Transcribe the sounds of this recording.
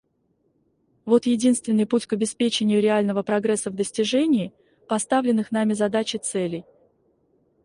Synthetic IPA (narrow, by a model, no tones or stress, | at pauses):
vo̞t̪jɪdʲin̪st̪vʲɪnːɨjputʲkɐbʲɪspʲet͡ɕɪnʲɪjʊɾʲɪalʲnəvəpɾɐɡɾɛsːəvd̪əsʲtʲɪʐɛnʲɪː | pɐst̪avlʲɪnːɨxn̪amʲɪzɐd̪at͡ɕɪt̪sɛlʲɪj